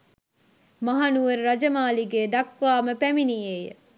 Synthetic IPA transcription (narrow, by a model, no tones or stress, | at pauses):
mɐɦanuʋəɾːɐd͡ʒəmaːliɡeːd̪ɐkʋaːməpæminiejə̰